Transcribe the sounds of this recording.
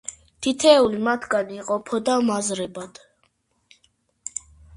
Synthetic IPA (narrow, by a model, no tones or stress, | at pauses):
t̪ʰit̪ʰɛːulimat̪ʰɡaniːqʼɔpʰɔd̪amazɾɛbad̪̥